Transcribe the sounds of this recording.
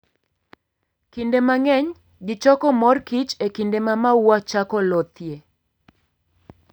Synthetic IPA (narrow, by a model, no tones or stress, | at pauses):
kindemaŋɛɲ | ɡɪt͡ʃɔkɔmɔrkit͡ʃekindemamauwat͡ʃakɔlɔt̪je